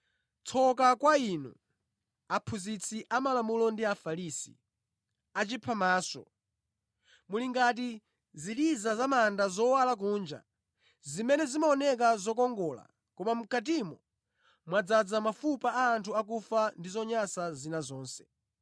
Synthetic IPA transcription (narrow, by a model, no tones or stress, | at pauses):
t͡sʰɔkakwainṵ | apʰuzit͡sʰiʔamalamulɔndiafaɾisḭ | at͡ʃipʰamaːsɔ̰ | muliŋɡat̬i | ziɾizazamandazɔwalak̬uːnd͡ʒa̰ | zimɛnɛzimaɔnɛk̬azɔkɔŋɡɔla̰ | kɔmam̩kat̬imɔ | mwad͡zad͡zamafupaaːntʰuak̬ufandizɔɲasazinazɔːnsɛ̥